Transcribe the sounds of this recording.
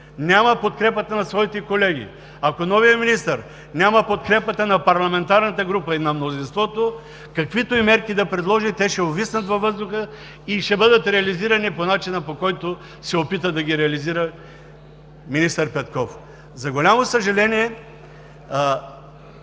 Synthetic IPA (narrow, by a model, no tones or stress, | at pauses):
nʲaməpot̪̚kɾɛpət̪ənɐsvɔit̪ɛkolɛɡʲḭ | akonɔvijəminist̪əɾ | nʲaməpot̪kɾɛpət̪ənɐpɐɾlˠɐmɛnt̪aɾnɐt̪əɡɾupəinɐmnozinst̪vɔt̪o | kɐkvit̪oimɛɾkʲid̪ɐpɾɛd̪lˠɔʒit̪ɛʃɛovisnət̪vɐvɤzd̪ʊxə | iʃɛbɤd̪ət̪ɾɛɐliziɾɐniponat͡ʃinəpokɔjt̪o | sɛopit̪əd̪ɐɡʲiɾɛɐliziɾə | minist̪əɾpɛt̪kɔf | zɐɡolʲamosəʒɐlɛniɛ